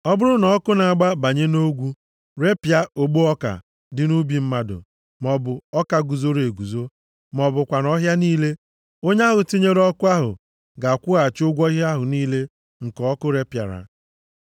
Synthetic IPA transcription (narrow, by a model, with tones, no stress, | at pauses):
ɔ˦bʊ˦ɾʊ˦nɔ˨˦kʊ˦na˨a˨ɡ͡ba˦ba˨ɲe˦no˦ɡʷu˦ | ɾe˦pja˦o˨ɡ͡bu˦ɔ˦ka̰˨ | dɪ˦nu˦bi˨m̩˦ma˦dʊ̰˨ | mɔ˨bʊ˨ɔ˦ka˨ɡu˨zo˦ɾe˨ɡu˨zo˦ | mɔ˨bʊ˨kʷa˨nɔ˦ɦja˦niː˦le˦ | o˦ɲ˦a˦ɦʊ˨ti˦ɲe˦ɾɔ˦kʊ˦a˦ɦʊ̰˨ | ɡa˨kʷʊ˦ɣa˨t͡ʃʊ˦ɡʷɔ˦a˦ɦʊ˨niː˦le˦ | ŋ̩˨kɔ˦kʊ˦ɾe˦pja̰˨ɾa̰˨